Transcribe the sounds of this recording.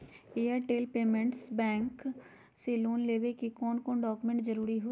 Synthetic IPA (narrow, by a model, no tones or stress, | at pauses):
eːəɾʈeːlpeːmẽɳʈsbɛ̃ːŋk | seloːnleːʋekikɔːnkɔ̃ːnɖɔːkʊmẽɳʈd͡ʒəɾuːɾiɦoː